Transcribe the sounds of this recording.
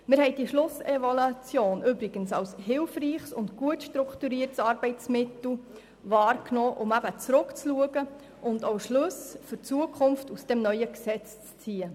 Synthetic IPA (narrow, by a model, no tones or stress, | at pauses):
mɪɾhɛɪd̥iʃlʊsɛvolɑt͡sjoːnʔʏbɾɪɡ̥ənsɑwshɪlfriːχsʊ̰ntɡuətʃtɾʊktuɾiərtsɑːrbɛɪtt͡smɪtl̩ | vɑːɾknoːʔʊmæbət͡sɾʊkt͡sluəɡə | ʔʊndowʃlɵsfʏɾt͡suəkʰχʊmftusd̥ɛmnœʏəksɛt͡st͡st͡siːə